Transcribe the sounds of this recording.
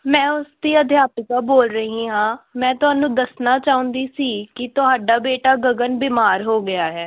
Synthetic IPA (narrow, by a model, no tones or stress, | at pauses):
mɛ̃ːʊsd̪iːəd̪ʱjaːpɪkaːboːlɾəɦĩːɦãːmɛ̃ːt̪ʊɦaːnũːd̪əsnaːt͡ʃaːʊ̃nd̪iːsiːkɪt̪ʊɦaːɖaːbeːʈaːɡəɡənbiːmaːɾɦoːɡɪaːɦɛː